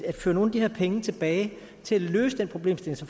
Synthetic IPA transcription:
æd̥føːɐno̝ːnæd̥iheɐ̰pʰeŋət͡sʰe̝b̥ɛːɪ | t͡sʰe̝lælø̰ːsəd̥enpʰʁo̝b̥le̝̰ːmsd̥e̝lŋsɒ

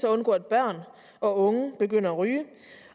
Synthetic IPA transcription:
sɒɔ̽nɡ̥ɔ̰̽ːed̥̚b̥ɶɐ̰n | ɒ̽ɔ̽ŋəb̥e̝ɡ̥øn̰ɐæʁyː

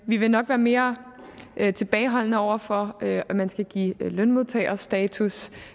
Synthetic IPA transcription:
ʋiʋe̝nɒ̽ɡ̥ʋæːɐme̝ːɐ | ʔt͡sʰe̝b̥ɛːɪɦɒ̽l̰nəɒʊ̰ɐfɒ̽øæmænsɡ̥æɡ̥ḭːlønmo̝ðˠt͡sʰɛ̰ɪɐsd̥ɛːt͡sʰus

